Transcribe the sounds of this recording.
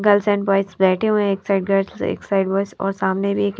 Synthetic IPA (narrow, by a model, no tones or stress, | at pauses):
ɡɐlsɛ̃ːɳʈbɔːɪsbɛːʈʰeɦõɛ̃eːksaːɪɖ̚ɡɐɾsḛːksaːɪɖbɔːɪsɔ̰ːɾsaːmnebʱieːk